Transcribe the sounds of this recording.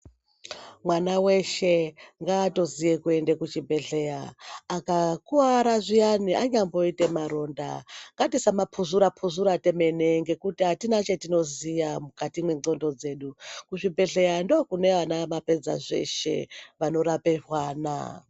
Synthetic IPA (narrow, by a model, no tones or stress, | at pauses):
mwanawe̞ʃe̞ŋɡaːto̞zijekue̞ndekut͡ʃibʱe̞ɮejaːkakuaɾaʐijaniʔaɲambo̞ite̞maɾo̞nda̰ŋɡatisamapʰuzuɾapʰuzuɾate̞me̞neŋɡe̞kutiɦatinat͡ʃe̞tino̞zijamukatimwe̞ŋ͡ǀo̞ndo̞d͡ze̞ːɗukuʐibe̞ɮe̞jando̞kune̞ʋanamape̞d͡za̰ʐe̞̰ʃe̞̰ʋano̞ɾapeʐwaːna̰